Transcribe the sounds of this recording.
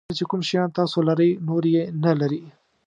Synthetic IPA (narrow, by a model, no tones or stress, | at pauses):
t͡ʃekʊmʃjɑ̃nt̪ɑsolaɾəjnoɾjenalaɾi